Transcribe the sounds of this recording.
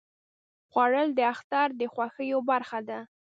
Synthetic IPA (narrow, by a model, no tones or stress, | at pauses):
ɣwaɻəld̪əaxt̪ɑɾd̪əxwaxəjobaɾxad̪a